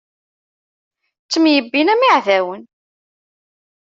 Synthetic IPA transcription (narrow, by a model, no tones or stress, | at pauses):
t͡sːəmjəbːinæmiʕðæwən